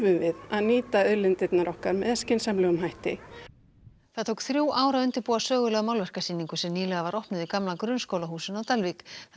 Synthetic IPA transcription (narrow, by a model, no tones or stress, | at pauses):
vʏmvɪðaðniːt̪aʏðlɪnt̪ɪt̪naɾɔhkaɾmɛðɛscɪnsamlɛːɣʏmɦajht̪ɪ | θaðt̪ʰowkθɾjuːwʔaːwɾaʏnt̪ɪɾpuːasœːɣʏlɛːɣamawlvɛr̥kasiːniŋkʏsɛmniːlɛɣavaɾɔhpnʏðikamlakɾʏnskoːwlaɦuːsʏnawt̪alvik